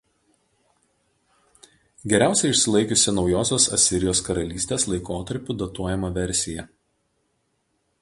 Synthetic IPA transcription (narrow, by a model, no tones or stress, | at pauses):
ɡʲɛɾʲæˑʊsʲɛɪɪʃʲsʲɪlˠɐɪkʲʊsʲɪnɒʊjoːsʲoːsɐ̰sʲɪɾʲɪjoːskɐɾɐlʲiːsʲt̪ʲeːslˠɐɪkoːt̪ɐɾʲpʲʊˑd̪ɐt̪uɔjɛmɐʋʲɛɾʲsʲɪjɛ